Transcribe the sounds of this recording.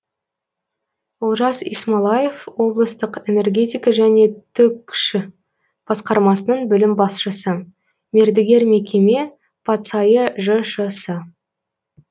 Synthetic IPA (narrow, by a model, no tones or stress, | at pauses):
ʊlˠʒɑsḭsmɑlˠɑje̞fwo̞blˠəst̪əqe̞ne̞rɡʲe̞t̪ijkɑʒæne̞t̪ʰʏkʃ | b̥ɑsqɑɾmɑsənəɴbʏlɪmbɑsʃəsə | me̞ɾd̪ɪɡʲe̞ɾme̞kʲe̞me̞ | pʰɑt̪sɑjəʒəʃəsə